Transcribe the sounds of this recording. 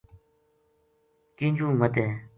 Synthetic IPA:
kiɲd͡ʑuŋmət̪e

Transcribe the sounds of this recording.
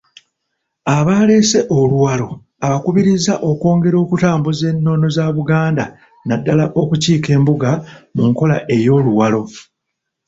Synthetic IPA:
aβaːle̞se̞ʔoluwalo̞ | aβakuβiɾizaʔo̞ko̞ːŋɡe̞ɾo̞ːkutaːmbuze̞nːo̞no̞zaːβuɡaːnda | nadːalaʔo̞kuciːke̞ːmbuɡamuŋko̞laʔe̞jo̞ːluwalo̞

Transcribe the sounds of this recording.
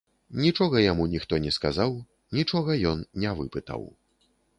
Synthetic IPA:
nʲit͡ʂɔɣɐjamunʲixt̪ɔnʲɛskazaw | nʲit͡ʂɔɣɐjɔnnʲɛvɨpɨt̪ɐ̰w

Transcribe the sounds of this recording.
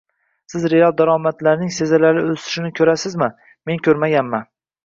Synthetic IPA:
sɪzɾe̞alˠd̪aɾɒmat̪laɾnɪŋse̞zalaɾɪɵst̪ɪ̥ʃɪnɪkʲʰɵɾasɪzmɪn | me̞nkʲʰɵɾmaɡʲanman

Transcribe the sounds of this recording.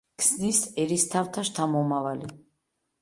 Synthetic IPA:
kʰsnisɛɾist̪ʰaft̪ʰaʃt̪ʰamɔmavali

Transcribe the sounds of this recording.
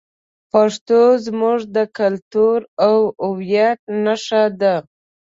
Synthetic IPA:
paʂt̪ozmuʐd̪əkalt̪uɾawʊwjat̪̚naʂad̪a

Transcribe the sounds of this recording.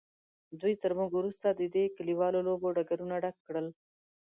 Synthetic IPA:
d̪ujt̪əɾmuɡwɾust̪ad̪əd̪ekaliwɑloloboɖaɡaɾunaɖakːɽəl

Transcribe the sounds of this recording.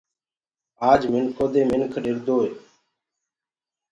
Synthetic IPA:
aːd͡ʒmɪnkʰoːd̪eːmɪnkʰɗɪɾd̪oːɦeː

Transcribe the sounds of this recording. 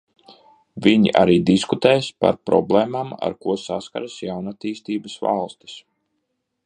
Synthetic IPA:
viɲḭʔa̰ɾiːd̪iskut̪ɛːjspa̰ɾpɾɔ̰blˠɛːmama̰ɾkuɔsaska̰ɾasjawnat̪iːst̪iːbasva̰lˠst̪i̥s

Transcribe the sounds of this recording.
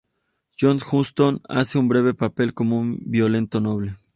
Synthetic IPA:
jonxust̪ona̰seumbɾeβepapelkomoumbjolent̪onoβle

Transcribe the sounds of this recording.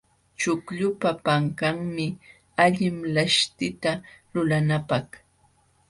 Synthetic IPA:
t͡ʃʊkʎʊpapaŋkaŋmɪ | aʎɪmlaʃt̪ɪt̪alʊlanapɑχ

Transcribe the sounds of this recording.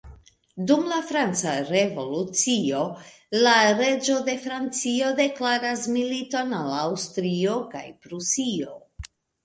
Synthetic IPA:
dumlafɾant͡saɾe̞vo̞lut͡sio̞ | laɾe̞d͡ʒo̞de̞fɾant͡sio̞de̞klaɾasmilito̞nalawstɾio̞ka̰jpɾusio̞

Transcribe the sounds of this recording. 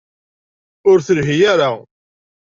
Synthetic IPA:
ʊɾθəlɦijaɾa

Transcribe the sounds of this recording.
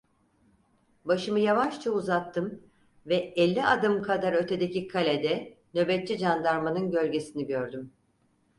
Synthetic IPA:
baʃɯmɯjavaʃt͡ʃʰauzat̪ʰːɯm | vɛɛlʲːiʔad̪ɯmkʰad̪aɾø̞t̪ʰe̞d̪ecikʰalʲed̪ɛnø̞bɛt̪̚ːt͡ʃid͡ʒand̪aɾmanɯnɟø̞lʲɟe̞siniɟøɾd̪ym

